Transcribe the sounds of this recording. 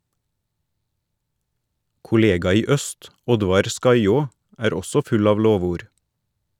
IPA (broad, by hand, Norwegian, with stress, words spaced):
kʊˈleːɡɑ ˈiː ˈœst ˈɔdʋɑɾ ˈskɑɪoː ˈæːɾ ˈɔsɔ ˈfʉl ˈɑːʋ ˈloːʋuːɾ